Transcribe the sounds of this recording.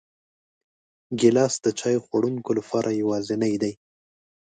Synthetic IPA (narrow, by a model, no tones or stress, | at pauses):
ɡɪlɑsd̪ət͡ʃɑjoxwaɽuŋkolapʰɑɾʔajawɑzɪnajd̪aj